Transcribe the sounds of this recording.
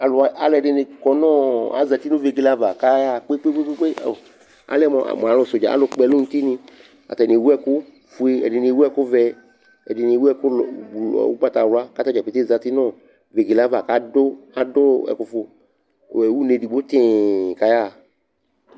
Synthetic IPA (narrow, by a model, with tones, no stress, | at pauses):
a˨lʊ˨a˨a˨lɛ˨ɖɪ˨ne˨kɔ˨nɔ̃˦a̰˨za˨t̪i˦nʊ̃˦ve˨ɡi˨la˦va˨ka˦ja˦˨k͡pe˦k͡pe˦k͡pe˦k͡pe˦k͡pe˦o˨ | a̰˨˦lɛ˦mɔ̃˨a̰˨mɔ̃˨a˨lʊ˨so˨d͡ʒa̰˨a̰˦lo˨k͡pɛ˨lo˦ŋũ˦t̪i˦nĩ˦ | a̰˨t̪a˨ne˨wu˦ɛ˦kʊ˦ | fu˦e˦ɛ̰˨dɪ˨ne˨wu˦ɛ˦kʊ˦vɛ˦ | ɛ̰˨dɪ˨ne˨wu˦ɛ˦kʊ˦lṵ˨wṵ˦k͡pa˦t̪a˨wla˦ka˦ta˦˨d͡ʒa˨pe˨t̪e˦za˨t̪i˦nɔ̃˦ | ve˨ɡi˨la˦va˨ka˦dʊ˦a˦do˦ɛ̰˨kʊ˨fo˨ | wu˦ne˨di˨ɡ͡bo˦t̪ẽ˦˨ka˦ja˦˨